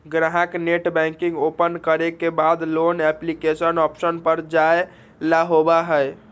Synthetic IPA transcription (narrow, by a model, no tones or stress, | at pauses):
ɡɾaɦakneʈbɛ̃ŋkĩŋɡopənkəɾekebad̪lonɛplikesənɔpsənpəɾd͡ʒae | laɦobaɦəj